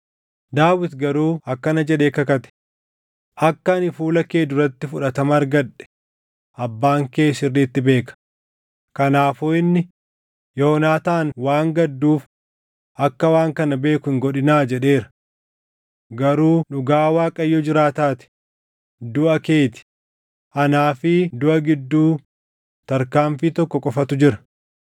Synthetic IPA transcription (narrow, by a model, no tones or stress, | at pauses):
d̪aːwɪt̪ɡɐɾuːɐkːɐnɐd͡ʒɛɗe̞ːkɐkɐt̪ɛ̥ | ʔɐkːɐnɪfuːlɐke̞ːd̪ʊɾɐt̪ːɪfʊᶑɐt̪ɐmɐɾɡɐᶑɛ̥ | ʔɐbːaːŋke̞ːsɪrːiːt̪ːɪbe̞ːkɐ̥ | kɐnaːfoːɪnːɪ | jɔɔnaːt̪aːnwaːŋɡɐd̪ːuːf | ʔɐkːɐwaːŋkɐnɐbe̞ːkʊɪŋɡɔᶑɪnaːd͡ʒɛᶑe̞ːɾɐ̥ | ɡɐɾuːᶑʊɡaːwaːkʼɐjːɔd͡ʒɪɾaːt̪aːt̪ɪ̥ | d̪ʊʔɐke̞ːt̪ɪ̥ | ʔɐnaːfɪd̪ʊʔɐɡɪd̪ːuː | t̪ɐɾkaːmfiːt̪ɔkːɔkʼɔfɐt̪ʊd͡ʒɪɾɐ